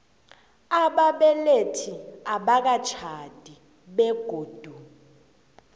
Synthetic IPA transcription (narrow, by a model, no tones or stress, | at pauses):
aɓaɓɛletʰiaɓak̬at͡ʃʰad̥ʱi | ɓɛɡ̥ʱoːd̥ʱu